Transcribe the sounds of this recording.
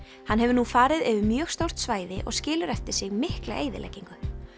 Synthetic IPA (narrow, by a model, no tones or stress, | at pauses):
hanːɦɛvʏɾnufaːɾɪðɛvʏmjœːɣst̪owr̥t̪svaːjðɪʔɔ̰ɣscɪːlʏɾɛft̪ɪɾsɪɣmɪhkla̰eːjðɪ̰lɛ̰jcːiŋkʏ